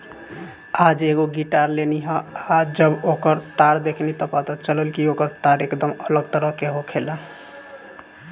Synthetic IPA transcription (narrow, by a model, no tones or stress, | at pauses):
ad͡ʒeɡoɡiʈaɾleniɦə̃ad͡ʒəbokəɾt̪aɾd̪ekʰnit̪ɔpat̪at͡ʃələlkiokəɾt̪aɾekd̪əmələɡt̪əɾəkeɦokʰela